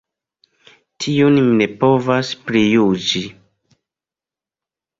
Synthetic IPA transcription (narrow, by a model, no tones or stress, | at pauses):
tʰiunne̞po̞vasplijud͡ʒi